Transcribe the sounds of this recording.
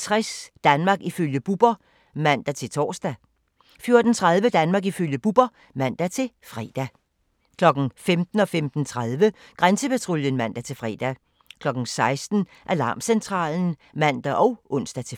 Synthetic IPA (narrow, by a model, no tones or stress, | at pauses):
t͡sʰʁɛsd̥ænmɑ̈ːɡ̥iføljəb̥ub̥ɐ | mæn̰d̥æt͡sʰe̝lt͡sʰɒ̰ːsd̥æ | fjo̝ɐd̥n̩t͡sʰʁað̞ˠʋəd̥ænmɑ̈ːɡiføljəb̥ub̥ɐ | mæn̰d̥æt͡sʰe̝lfʁɛ̰ːd̥æ | kʰlɒ̽ɡ̥n̩femd̥n̩ɒ̽femd̥n̩t͡sʰʁaðˠʋə | ɡ̥ʁansəpʰæt͡sʰʁoljənmæn̰d̥æt͡sʰe̝lfʁɛ̰ːd̥æ | kʰlɒ̽ɡ̥n̩sɑ̈ɪsd̥n̩ | ʔælɑ̈ːmsent͡sʰʁɑ̰̈ːln̩ | mæn̰d̥æʔɒ̽ʊʔɔ̽n̰sd̥æt͡sʰe̝